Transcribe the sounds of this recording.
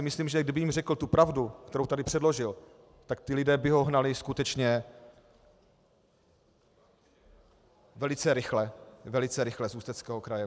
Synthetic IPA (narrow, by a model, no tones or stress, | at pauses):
ɪmɪsliːmʒɛɡ̚dɪbɪjimrɛkl̩t̪upɾavdukt̪ɛɾowt̪adɪpr̥ɛdlo̞ʒɪl | t̪akt̪ɪlɪdɛːbɪɦo̞ɦnalɪskut̪ɛt͡ʃɲɛ | vɛlɪt͡sɛɾɪxlɛvɛlɪt͡sɛɾɪxlɛzuːst̪ɛt͡skɛːɦokɾajɛ